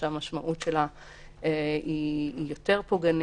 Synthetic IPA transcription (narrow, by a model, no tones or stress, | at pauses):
eamaʃmaʔutʃela | eijo̞te̞ʁpoɡan